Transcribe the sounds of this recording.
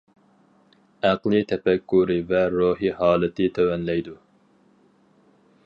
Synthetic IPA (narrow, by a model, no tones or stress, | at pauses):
æqlˠɨt̪ʰɛpɛkːuɾɨvɛɾoɦihɑːlˠɨt̪ʰɨt̪ʰɛwɛnlɛjd̪u